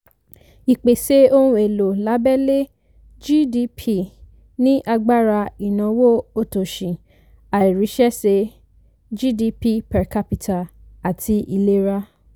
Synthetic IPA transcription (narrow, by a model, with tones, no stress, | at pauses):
i˨k͡pe˨se˧˦o˧nũ˧e˨lo˨la˨˦bɛ˦le˦ | d͡ʒi˦di˧˦pʰi˦˨ | nĩ˦ʔa˧ɡ͡ba˦ɾa˧i˨nã˨wo˦o˦˨to˨ʃĩ˨ | a˨i˨ɾi˨˦ʃɛ˦se˧˦ | d͡ʒi˦di˧pi˦pɛ˨ka˧pi˨tʰa˨a˨tʰi˧ʔi˧˨le˦ɾa˦